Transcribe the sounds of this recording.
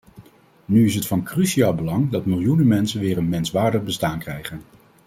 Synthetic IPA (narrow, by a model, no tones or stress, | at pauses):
nyɪs̬ɦətfɑnkryʃiaːlˠbəlɑŋdɑtmɪlˠjunəmɛnsənʋɪːrənmɛnsʋaːɹdəχbəstaːnkrɛjχən